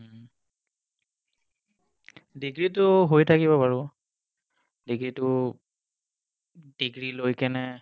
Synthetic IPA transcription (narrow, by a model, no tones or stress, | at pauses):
diɡɹitʊɦojtʰakibɔpaɹʊ | diɡɹitʊ | d̥iɡɹilojkɛnɛ